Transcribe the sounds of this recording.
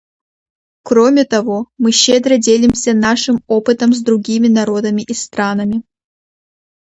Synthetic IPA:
kɾomʲɪt̪ɐvomɨɕːed̪ɾədʲelʲɪmsʲɐnaʂɨmopɨt̪əmzd̪ɾʊɡʲimʲɪnɐɾo̞d̪əmʲɪʔist̪ɾanɐmʲɪ

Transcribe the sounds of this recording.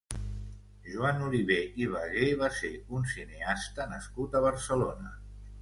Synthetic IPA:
ʒuanuliβeʔiβ̞aɣeβaseunsineast̪ənəskut̪əβ̞əɾsəlonə

